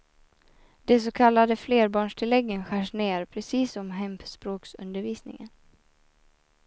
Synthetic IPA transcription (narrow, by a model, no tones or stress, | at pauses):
d̪̥ɛs̬ɔkʰalːad̪əfleːɾbɑːɳʂʈʰɪlɛɡːənɧæːʂneːɾpʰɾɛsiːsɔmɦɛmpspɾoːksɵ̰nd̪əɾviːsnɪ̰ŋə̰n